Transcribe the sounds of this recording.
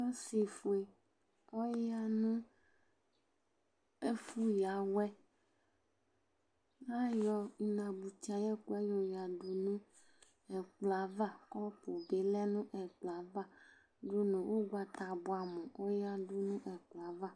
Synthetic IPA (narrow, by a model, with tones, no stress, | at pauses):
ɔ˦si˨fu˨e˨ | ɔ˦ja˦nũ˦ | e˦fu˦ja˨wɛ˦ | la˦jɔ˨i˨nã˨bu˨ti˨˦a˨jɛ˦ku˦ɛ˦jɔ˨ja˨du˨nũ˦ | ɛ˨k͡pla˨va˦kɔ˦po˨be˨˦lɛ˦nũ˦ʔɛ˨k͡pla˨˦va˦ | ɖu˦nũ˨wʔo˦ɡa˨t̪a˨bu˨a˨mɔ̃˨wo˦ja˦du˦nũ˦ʔɛ˨k͡pla˨˦va˦